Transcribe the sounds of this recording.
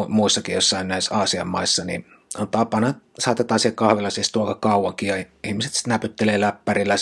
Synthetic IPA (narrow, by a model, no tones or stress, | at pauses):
muisːɑkijosːɑinnæisɑːsiɑmːɑ̰isːɑnḭ | ont̪ɑpɑnɑsɑːt̪ːet̪ɑsiɑkkɑhʋelːˑɑsist̪uokɑkɑuwɑŋkijɑiihmise̥t̪si̥t̪næpyt̪ːeleːlæpːærilːæ